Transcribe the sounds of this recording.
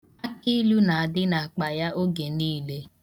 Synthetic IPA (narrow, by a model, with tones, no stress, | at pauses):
a˦ki˦lu˦na˨a˨dɪ˦na˨a˨k͡pa˨ja˦ʔo˦ɡe˨niː˦le˦